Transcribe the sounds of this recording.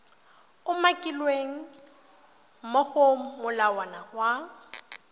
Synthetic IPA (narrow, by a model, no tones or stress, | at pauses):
ʊmakʼilweŋ̩ | moχom̩mʊlawanahwa